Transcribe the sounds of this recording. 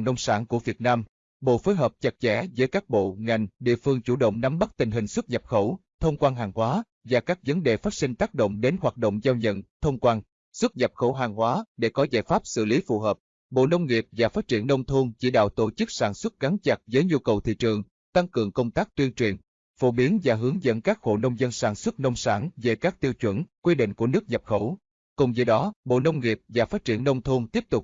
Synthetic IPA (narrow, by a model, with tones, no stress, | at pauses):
nə˧wŋ͡msaː˧˩nku˧˩əvi˨˩ət̚naː˧m | ɓo̰˧˨foː˨˦jɦəː˨˩p̚t͡ɕə˨˩k̚t͡ɕɛ˧˩vəː˨˦jkaː˦˥k̚ɓo̰˧˨ŋa˨˩jŋ̟ɗḭ˧˨əfɨ˧əŋt͡ɕu˧˩ɗə̰˧˨wŋ͡mna˨˦mɓa˦˥k̚t̪ï˨˩ŋ̟ɦï˨˩ŋ̟swə˦˥t̚ɲa˨˩p̚xə˧˩wt̪ʰə˧wŋ͡mkwaː˧nɦaː˨˩ŋhwaː˨˦ | vaː˨˩kaː˦˥k̚və˨˦nɗe˨˩faː˦˥t̚sï˧ŋ̟t̪aː˦˥k̚ɗo̰˧˨wŋ͡mɗe˨˦nɦaː˨˩t̚ɗo̰˧˨wŋ͡mzaː˧wzə̰˧˨nt̪ʰə˧wŋ͡mkwaː˧n | swə˦˥t̚ɲa˨˩p̚xə˧˩wɦaː˨˩ŋhwaː˨˦ɗe˧˩kɔ˨˦zaː˧˩jfaː˦˥p̚sɨ̰˧˨li˨˦fu˨˩ɦəː˨˩p̚ | ɓo̰˧˨nə˧wŋ͡mŋi˨˩əp̚vaː˨˩faː˦˥t̚t͡ɕi˧˩ənːə˧wŋ͡mt̪ʰu˧ŋt͡ɕḭ˧˩ɗa̰ː˧˨wt̪o˧˩t͡ɕɨ˦˥k̚saː˧˩nswə˦˥t̚ɣa˨˦nt͡ɕa˨˩k̚zəː˨˦jɲu˧kə˨˩wt̪ʰḭ˧˨t͡ɕɨ˨˩əŋ | t̪a˧ŋkɨ̰˨˩˨əŋkə˧wŋ͡mt̪aː˦˥k̚t̪wi˧əŋt͡ɕwi˨˩ən | fo̰˧˩ɓi˨˦ənvaː˨˩ɦɨ˨˦əŋzə̰˧˥˨nkaː˦˥k̚xo̰˧˨nə˧wŋ͡mzə˧nsaː˧˩nswə˦˥t̚nə˧wŋ͡msaː˧˩nve˨˩kaː˦˥k̚t̪i˧əwt͡ɕwə˧˩nkwi˧ɗḭ̈˧˨ŋ̟ku˧˩ənɨ˦˥ək̚ɲa˨˩p̚xo˧˩ | kʊ˨˩ŋ͡mvəː˨˦jɗɔ˨˦ɓo̰˧˨nə˧wŋ͡mŋi˨˩əp̚vaː˨˩faː˦˥t̚t͡ɕi˧˩ənːə˧wŋ͡mt̪ʰu˧nt̪i˦˥əp̚t̪ʊ˨˩k͡p̚